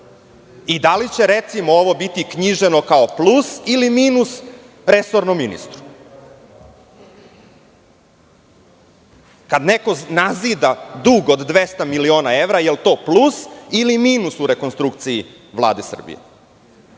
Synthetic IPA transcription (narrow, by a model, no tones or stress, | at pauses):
id̪alit͡ɕe̞ɾet̪simooʋo̞bit̪ikɲiʒeno̞kaoplˠusilimiːnus | ɾesoɾnomːinḭst̪ɾu̥ | kad̪neko̞naziːd̪ad̪uɡod̪ːʋest̪amilio̞ːnae̞ʋɾajelt̪o̞ːplusilimiːnusuɾekonst̪ɾukt̪siji | ʋlˠa̰ːd̪esr̩bḭjḛ